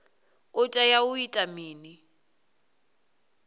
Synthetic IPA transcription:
ʊtʼajaʊitʼamiːni

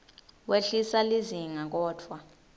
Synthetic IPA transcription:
weɬisaliziŋak̬ʼɔːtʰwa

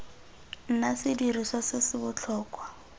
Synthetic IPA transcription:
n̩nasɪdiɾiswasɪsɪbʊt͡ɬʰɔːkwa

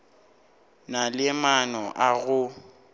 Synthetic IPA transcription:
nalɪmanɔʔaɣʊ

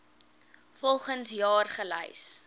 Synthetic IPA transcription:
fɔlˠχənsjɑːrχələ̰js

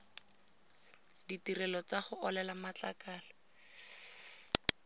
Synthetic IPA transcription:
ditirɛlɔt͡saχʊʔɔlɛlamat͡ɬakaːlɔ

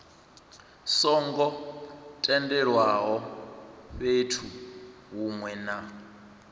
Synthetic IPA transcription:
sɔŋɡɔtʼɛndɛɺwaɦɔ | ɸetʰu | ɦumwɛna

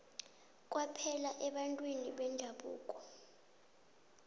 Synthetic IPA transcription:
k̬ʼwapʰɛlaʔɛɓantʼwiniɓɛnd͡ʒʱaɓṵːkʼɔ̥

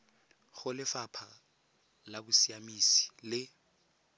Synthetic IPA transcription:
ɣʊlɪfapʰa | labusiamisi̥lɪ

